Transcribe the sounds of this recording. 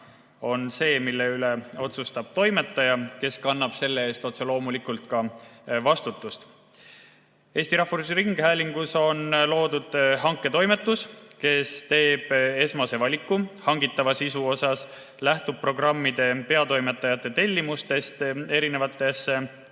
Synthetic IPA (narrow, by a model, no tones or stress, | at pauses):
o̞nse̞ːmilːe̞yle̞o̞t̪sust̪ɑb̥̚t̪o̞jme̞t̪ːˑɑjɑke̞skɑnːɑb̥se̞lːee̞ːst̪o̞t̪se̞lo̞ːmulikˑult̪̚kɑvɑst̪ut̪ːˑust̪ | e̞ːsʲt̪iɾɑhfuɾusɾiŋɡ̥hæːlʲiŋɡ̥uso̞nlo̞ːd̪̥ud̪̥hɑŋkːˑe̞t̪o̞jme̞t̪ːˑuske̞st̪e̞ːb̥e̞smɑse̞vɑlʲikːuhɑŋɡit̪ːˑɑvɑsisuo̞sɑs | læht̪ub̥̚pro̞ɡrɑmːid̪e̞pe̞ɑt̪o̞jme̞t̪ːˑɑjɑt̪ˑːe̞t̪e̞lʲːimust̪e̞st̪e̞ɾine̞vɑt̪ːˑe̞sːe